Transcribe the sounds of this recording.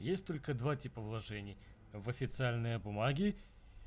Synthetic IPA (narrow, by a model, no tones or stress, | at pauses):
jesʲtʲt̪o̞lʲkəd̪vatʲipəvlˠɐʐɛnʲɪj | vəfʲɪt̪sɨalʲnɨjəbʊmaɡʲɪ